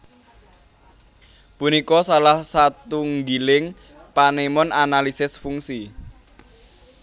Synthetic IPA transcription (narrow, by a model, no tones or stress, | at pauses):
punikɔsalahsat̪uŋɡilɪŋ | panemɔnanalisɪsfuŋsi